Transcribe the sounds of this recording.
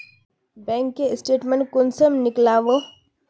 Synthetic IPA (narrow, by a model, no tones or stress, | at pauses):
bɛ̃ːŋkːeɪsʈeːʈmẽɳʈ̚kʊnsəmnɪklaːʋo